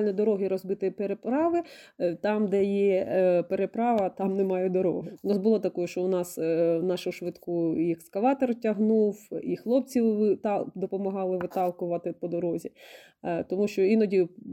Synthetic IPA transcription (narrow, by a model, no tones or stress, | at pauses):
lʲnʲɔd̪ɔɾɔɦɪɾɔzbɪt̪ɪpeɾepɾɑʋɪt̪ɑmd̪ɛjɛpeɾepɾɑʋɐt̪ɑmnɛmɑjɛd̪ɔɾɔ̰ɦʊʊnɑsbʊlˠɔt̪ɐkɔjʊʃt͡ʃɔʊnɑsnɑʃʊʃʋɪt̪kuiɛkskɐlɑt̪ɔrtʲɐɦnuwixlˠɔp̚t͡sʲiwt̪d̪ɔpɔmɐɦɑlˠɪʋɪt̪ɑlˠkʊʋɐt̪ɪpɔd̪ɔɾɔzʲi | t̪ɔmuʃt͡ʃɔinɔdʲi